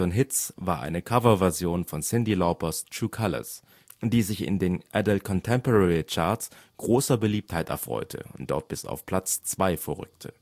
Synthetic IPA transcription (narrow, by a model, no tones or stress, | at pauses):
ɔnɦɪtsvaːɐʔa̰ɪnəkʰavɐvɛɐzjoːnfɔnsɪndilɔʊpɐstuːkʰalɐ̰s | d̥iːzɪçɪ̰ndeːnʔɛdl̩kʰɔntʰɛmpɔʁɛʁit͡ʃaɐtsɡ̥ʁoːsɐbəliːp̚thaɪtɛ̰ɐfʁ̥ɔ̰ʏtʰə̰ʊntd̥ɔ̰ɐt̚b̥ɪsa̰ʊfpʰl̥at͡st͡sv̥aɪfɛɐʁʏ̰ktʰə